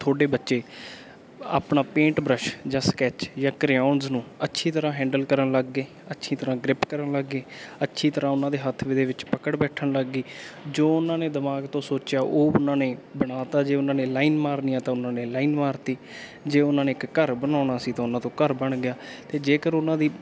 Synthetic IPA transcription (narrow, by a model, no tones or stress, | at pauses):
t̪ʰoːɖeːbətːʃeː | a̰ːpɳaːpẽːɳʈbɾəʃd͡ʒãːskɛːt͡ʃjãːkɾaːnznũːətːʃʰiːt̪əɾãːɦɛ̃ːɳɖəlkəɾəɳləɡːeː | ətːʃʰiːt̪əɾãːɡɾɪpkəɾənləɡːeːətːʃʰiːt̪əɾãːʊnãːd̪eːɦət̪ʰːʋɪd̪eːʋɪt͡ʃpəkəɽbɛːʈʰəɳləɡːiːd͡ʒoːʊnãːneːd̪əmaːɡt̪õːsoːt͡ʃjaːʔoːʊnãːneːbəɽaːt̪aːd͡ʒeːʊnãːneːlaːiːnmaːɾnijãːt̪ãːʊnãːneːlaːiːnmaːɾt̪iː | d͡ʒeːʊnãːneːɪkːəɾbənaːɳaːsiːt̪ãːʊnãːt̪õːkəɾbəɳɡɪjaːt̪eːd͡ʒeːkəɾʊnãːd̪iː